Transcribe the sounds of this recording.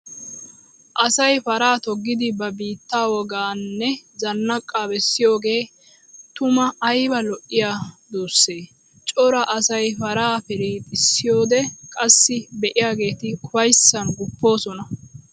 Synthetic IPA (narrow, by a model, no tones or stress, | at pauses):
ʔɐsɐjfɐɾaːt̪ɔɡːɪd̪ɪbɐbiːt̪ːaːwɔɡaːnːɛzɐnːɐkʼːaːbɛsːɪjo̞ːɡe̞ː | t̪ʊmɐɐjbɐlɔʔːɪjaːd̪oːsːe̞ː | t͡ʃʼɔɾɐʔɐsɐjfɐɾaːfɛɾiːt̪ʼɪsːɪjo̞ːd̪ɛkʼɐsːɪbɛʔɪjaːɡe̞ːt̪ɪkʊɐjsːɐnɡʊpːo̞ːsɔnɐ